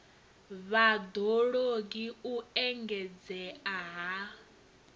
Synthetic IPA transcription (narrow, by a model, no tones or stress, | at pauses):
βad̪oɺoɡiuɛŋɡɛd͡zɛaɦa